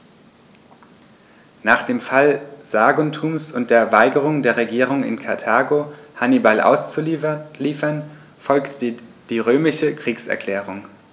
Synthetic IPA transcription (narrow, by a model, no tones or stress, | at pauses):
naːχd̥eːmfalz̥aːɡɔntʰuːmsʊnt̚d̥eːɐvaɪɡəʁ̞ʊŋdeːɐʁeɡiːʁ̞ʊŋɪ̰nkʰaɐtʰaːɡohanibalʔa̰ʊst͡suliːfɐn | fɔlkt | d̥iːʁøːmɪʃəkʁ̥iːksɛ̰ɐkl̥ɛːʁ̞ʊŋ